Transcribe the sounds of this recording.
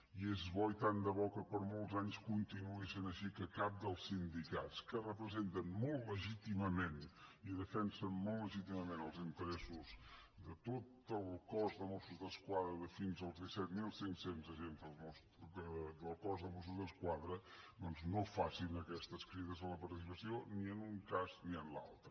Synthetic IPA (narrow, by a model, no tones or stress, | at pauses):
iezβɔit̪and̪əβɔkəpəɾmolˠtzaɲskunt̪inueʃənəʃikəkap̚d̪əlˠsind̪ikatskərəpɾəzent̪ənmɔlˠt̪ləʒit̪iməmẽniðəfɛnsənmɔlˠt̪ːləʒit̪iməmẽnəlˠzint̪əɾɛsuz | ðət̪ot̪əlˠkɔzðəmɔsuzðəskwaðɾəðəfinzəlˠzðisɛt̪milˠsensenzəʒenzðəlˠmɔs | əd̪əlˠkɔzðəmɔs̬uzðəskwaðɾənonznofasinəkɛst̪əskɾiðəzələpɐɾt̪is̬ipəsioniənuŋkazniənla̰lˠt̪ɾə